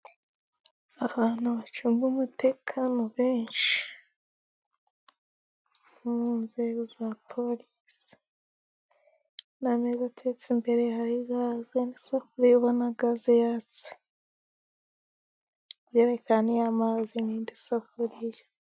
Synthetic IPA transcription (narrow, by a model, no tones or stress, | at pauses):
aβaːnhuβat͡ʃumɡumutʰe̞kʰanoβeːnʃi̥ | munzeɡozapʰo̞lisi̥ | namezatʰet͡simbe̞ɾehaɾiɡazendisafuɾijoβonaɡazejat͡si̥ | βjeːɾe̞kanejamaziniːndisafuɾija